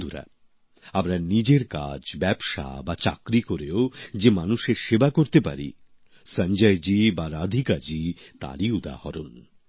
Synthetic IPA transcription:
d̪uɾa̰ | amɾanid͡ʑeɾka̰d͡ʑbɛbʃa̰bat͡ɕa̰kɾikoɾeod͡ʑemanuʃeɾʃebakoɾt̪epa̰ɾḭ | sənd͡ʑajd͡ʑibaɾad̪ʱikaɾd͡ʑit̪a̰ɾiud̪a̰hɔɾun

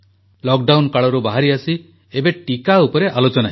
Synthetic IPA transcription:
lɔkɖawnkaɭɔɾubaɦaɾiasi | ebeʈikaupɔɾeʔalot͡ʃɔna

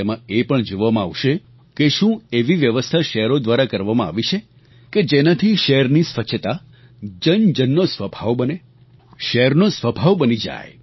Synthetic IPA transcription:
emãepəɳd͡ʒoʋamãa̰ʋʃe | keʃũeʋiʋjəʋəst̪ʰaʃɛəɾod̪ʋaɾakəɾʋamãa̰ʋit͡ʃʰe | ked͡ʒenat̪ʰiʃɛɦəɾnisʋəʃʰət̪a | d͡ʒənd͡ʒənːosʋəbʱaʋbəne | ʃɛəɾnosʋəbʱaʋbənid͡ʒa̰j

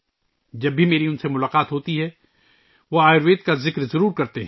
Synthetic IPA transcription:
d͡ʒɐbːʱimeːɾiʊnsemʊlaːqaːt̪ɦoːt̪iɦɛ | ʋoaːɪɾʋeːt̪̚kazɪkɾzɐɾuːɾkɐɾt̪eɦ

